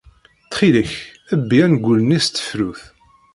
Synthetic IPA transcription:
θχiləç | əbːiænɡʷːulənist̪ːə̥fɾuθ

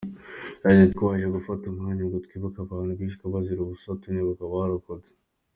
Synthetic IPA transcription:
aetkaːʒeɡufatumŋaɲaɡutkiβakaβaːnuɡiːʃ̬kaβaziɾuβusatuniβakaβaaɾakod͡ze̥

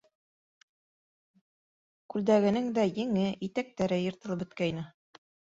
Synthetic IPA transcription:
kʉld̪æɡɘ̆nɘŋd̪æjɘ̆ŋɘʔit̪æk̚t̪æɾɘjɤ̆ɾt̪ɤ̆lˠɤpɵ̆t̪̚kæjnɘ

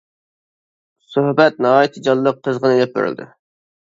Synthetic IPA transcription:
søhbɛt̪̚nɑɦɑːjit̪ʰɨd͡ʒɑlˠːəq̚ʰːəzʁənelɛp̚bḛɾy̰lʲd̪ɪ̰

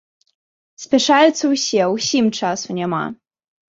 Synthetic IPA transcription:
sʲpʲɛʂajut̪sːɐwsʲɛwsʲimt͡ʂasunʲɛma̰

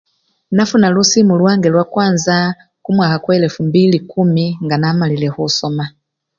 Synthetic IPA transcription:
nafunalusimulwaŋɡɛlwakwanza | kumwakakwɛlɛfumbilikumiŋɡanamalilɛhusɔma

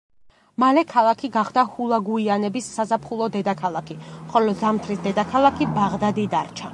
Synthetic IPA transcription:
malɛkʰalˠakʰiɡaχd̪ahulˠaɡuianɛbisːazapʰχulˠɔd̪ɛd̪akʰalˠakʰiχɔlɔzamt̪ʰɾisd̪ɛd̪akʰalˠakʰibaʁd̪ad̪id̪aɾt͡ʃʰa

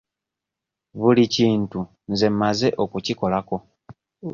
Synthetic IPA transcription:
βuliciːntu | nze̞mmːaze̞ʔo̞kuciko̞lako̞

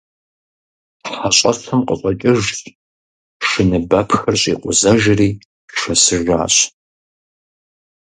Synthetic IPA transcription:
ħaɕʼɐɬʰɐmqʼə̰ɕʷʼɐt͡ʃʼɪʒt | ʂɨnɨbɐpʰxɐrɕʼḭːqʷʼʊ̰zɐʒriː | ʂɐsɨʒa̰ːɕʼ

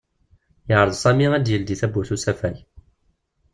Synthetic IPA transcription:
jəʕɾəðˤsˤɑmiæd̪jəld̪iθæbuθusæfæj

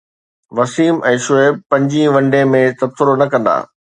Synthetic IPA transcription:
ʋɐsiːmɛ̃ːʃʊeːb̚pɐ̃ɲd͡ʑiʋɐ̃ɳɖemẽt̪ɐbsɪɾonɐkɐ̃nd̪a̰ː

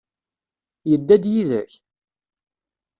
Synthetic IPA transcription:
jəd̪ːæd̪jiðə̰ç

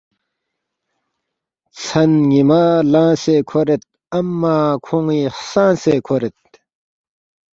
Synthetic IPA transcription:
t͡sʰɐnɡimaːlãːseːkʰoɾet̪̚ | ɐmːaːkʰoŋiːhsãːseːkʰoɾet̪̚

